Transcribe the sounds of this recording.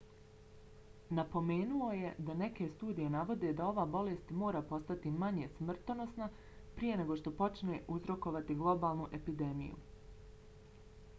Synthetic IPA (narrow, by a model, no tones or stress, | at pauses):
napo̞me̞ːnuo̞je̞d̪ane̞ke̞st̪uːd̪ije̞naʋo̞d̪e̞d̪ao̞ʋaːbo̞le̞st̪mo̞ːɾapo̞st̪at̪imaɲe̞smr̩t̪ono̞sna | pɾijene̞ɡo̞ʃt̪o̞po̞t͡ʃne̞ʔuzɾo̞ko̞ʋat̪iɡlˠo̞baːlˠnuʔe̞pid̪e̞mḭjṵ